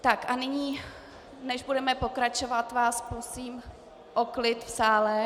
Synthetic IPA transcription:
t̪akanɪɲiː | nɛʒbudɛmɛpo̞kɾat͡ʃovat̪vaːsposiːm | ʔoklɪt̪fsaːlɛ

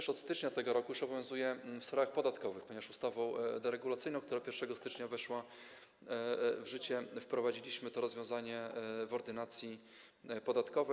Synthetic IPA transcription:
ʂɔt̪st̪ɘt͡ʂɲat̪ɛɡɔɾɔkujuʂɔbɔvʲjɔ̃w̃zujɛfsfɾaaxpɔd̪at̪kɔvɘxpɔɲɛvaʂust̪avɔ̃w̃d̪ɛɾɛɡulat̪sɘjnɔ̃w̃kt̪uɾapʲjɛɾfʂɛɡɔst̪ɘt͡ʂɲavɛʂwa | vʐɘt͡ɕɛfpɾɔvad͡ʑilʲiɕmɘt̪ɔɾɔzvʲjɔ̃w̃zaɲɛvɔɾd̪ɘnat̪sʲji | pɔd̪at̪kɔvɛ

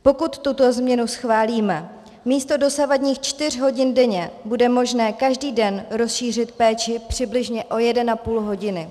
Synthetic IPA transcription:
po̞kut̪ːut̪o̞zmɲɛnusxvaːliːmɛ | miːst̪o̞do̞savadɲiːxt͡ʃt̪ɪr̝ɦo̞ɟɪndɛɲɛbudɛmo̞ʒnɛːkaʒdiːdɛnɾo̞sʃiːr̝ɪt̪pɛːt͡ʃɪpr̝̥ɪblɪʒɲɛʔo̞jɛdɛnapuːlɦo̞ɟɪnɪ

